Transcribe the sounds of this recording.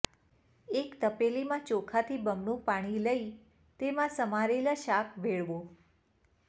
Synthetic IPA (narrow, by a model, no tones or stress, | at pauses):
ekt̪əpelimãt͡ʃokʰat̪ʰibəmnũpaɽ̃iləi | t̪emãsəmaɾeləʃakʰʋeɭʋo